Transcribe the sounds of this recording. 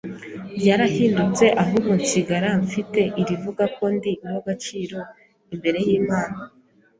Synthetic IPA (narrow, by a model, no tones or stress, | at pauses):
bjaɾahiːndut͡se̞ʔaɦuɡoɲt͡ʃiɡaɾaɱfite̞ʔiɾivuɡako̞ndimoɡat͡ʃiːɾo̞ | imbe̞ɾe̞jiːmaːna